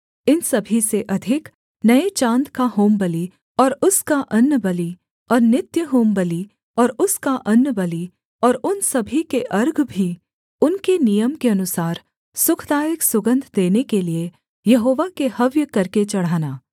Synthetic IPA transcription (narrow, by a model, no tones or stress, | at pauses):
ɪnsɐbʱiseʔɐd̪ʱɪk | nɐet͡ʃãːnd̪kaɦoːmbəli | ɔːɾʊskaʔɐnːəbɐli | ɔːɾnɪt̪jəɦoːmbəli | ɔːɾʊskaʔɐnːəbɐli | ɔːɾʊnsɐbʱikeʔɐɾɡʱbʱi | ʊnkenijəmkeɐnʊsaːɾ | sʊkʰd̪aːjɪksʊɡə̃nd̪ʱd̪eːnekelie | jɐɦoːʋakehɐʋjəkɐɾket͡ʃɐɽ̤aːnaː